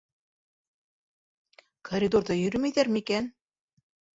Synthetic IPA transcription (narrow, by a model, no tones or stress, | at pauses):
kʰoɾʲid̪oɾdɤjɵ̆ɾɘmæjðæɾmɘikæn